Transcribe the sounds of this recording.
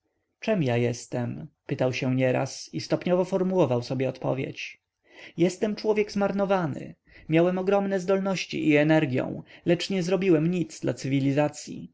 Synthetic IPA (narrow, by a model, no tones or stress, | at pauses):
t͡ʂɛmjajɛst̪ɛmpɘt̪awɕɛɲɛɾa̰sist̪ɔpɲɔvɔfɔɾmuwɔvawsɔbʲjɛɔt̪pɔ̰vʲjḛt͡ɕ | jɛst̪ɛmt͡ʂwɔvʲjɛɡzmaɾnɔvanɘ̰ | mʲjawɛmɔɡɾɔmnɛzd̪ɔlnɔɕt͡ɕḭʔiɛnɛɾɡʲjɔ̰̃w̃lɛt͡ʂɲɛzɾɔbʲiwɛmɲit̪sd̪la̰t̪sɘvʲilʲizat̪sʲjḭ